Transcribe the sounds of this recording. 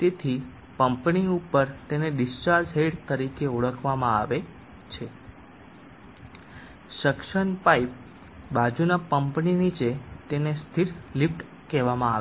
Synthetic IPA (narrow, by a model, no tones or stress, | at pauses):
t̪et̪ʰi | pəmpniupəɾt̪eneɖist͡ʃaɾd͡ʒɦeɖt̪əɾikeuɭəkʰʋamãaʋe | t͡ʃʰe | ʃəkʃənpaip̚ | bad͡ʒunapəmpninit͡ʃet̪enest̪ʰiɾlipʈ | kɛʋamãaʋe